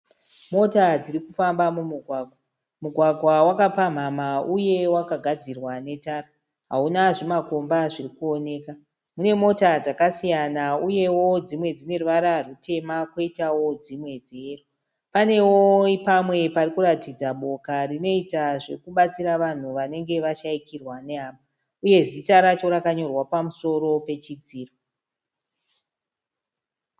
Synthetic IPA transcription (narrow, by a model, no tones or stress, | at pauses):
mo̞tad͡zirikufambamumuɡʱwaːɡʱwa | muɡʱwaɡʱwawakapam̤amauje̞wakaɡʱad͡zirwane̞taːra | ɦaunaʐimako̞mbaʐirikuo̞ne̞ːka | mune̞mo̞tad͡zakasijanauje̞wo̞d͡zimwe̞d͡zine̞ruʋaɾarutʰe̞makwo̞itawo̞d͡zimwe̞d͡zeru | pane̞woipamwe̞parikuɾatid͡zaɓo̞karino̞itaʐirikuɓat͡siɾaʋan̤uʋane̞ŋɡe̞ʋaʃaikirwane̞aːma | uje̞zitaɾat͡ʃo̞ɾakaɲo̞rwapamuso̞ɾo̞pe̞t͡ʃid͡ziːro